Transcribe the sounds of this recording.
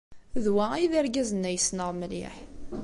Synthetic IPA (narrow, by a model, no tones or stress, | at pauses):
ðwaiðiɾɡæzənːæjəsnəʁməlḭħ